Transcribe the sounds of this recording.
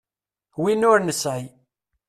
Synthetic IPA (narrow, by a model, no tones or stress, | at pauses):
winʊɾnəsʕi